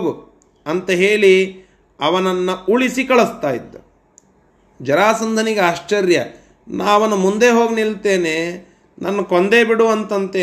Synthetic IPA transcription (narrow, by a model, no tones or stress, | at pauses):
ɡu | ɐnt̪ɐɦeːɭi | ɐʋɐnɐnːɐuɭisikɐɭɐst̪aːjid̪ːu | d͡ʒɐɾaːsɐnd̪ʱɐniɡeaːʃt͡ʃɐɾjɐ | naːɐʋɐnumund̪e̞ɦoːɡnilt̪eːne | nʔɐnːukond̪e̞biɽuɐnt̪ɐnt̪e